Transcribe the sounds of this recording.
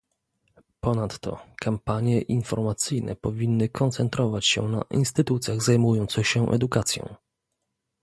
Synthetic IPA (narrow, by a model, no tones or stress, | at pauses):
pɔnat̪ːɔ̰kʰampaɲjɛʔinfɔɾmat̪sɘjnɛ̰pɔvʲinːɘkʰɔnt̪sɛnt̪ɾɔvat͡ɕɕɛ̰na̰ʔḭnst̪ɘt̪ut̪sʲjaɣzajmujɔnt̪sɛɕɛʔɛ̰d̪ukat̪sʲjɔ̰̃w̃